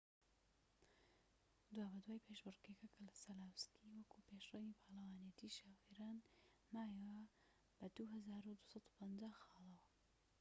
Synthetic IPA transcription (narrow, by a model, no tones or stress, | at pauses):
d̪waːbɐd̪waːjpʰeʃbɨrɡekɐkʰɐlɐsɐlaːwstʰiwɐkʰupeʃrɐwipʰaːlɐwaːnijɛt̪ʰiːʃaːwiɾaːn | maːjwɐ | b̥ɐd̪uɦɐzaːɾud̪usɑt̪u̥pʰɐnd͡ʒaːxɑːlˠɐwɐ